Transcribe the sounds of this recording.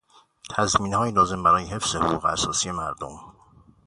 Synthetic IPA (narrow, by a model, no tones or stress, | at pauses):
t̪ʰæzmiːnhɒːjilɒːze̞mbæɾɒːjeɦe̞fz̥ehoɣuːɣeæsɒːsiːje̞mæɾd̪o̰m